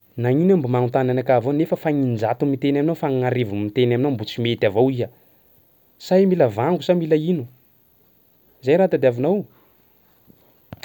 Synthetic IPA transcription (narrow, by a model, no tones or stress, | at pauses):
naŋinambumaŋunt̪ananakavonefəfaŋind͡ʒat̪umit̪enaminofaŋŋaɾevummit̪enaminambut͡simet̪avowizə | sajmiləvaŋɡusamilainu | zajɾat̪ad̪iavinaw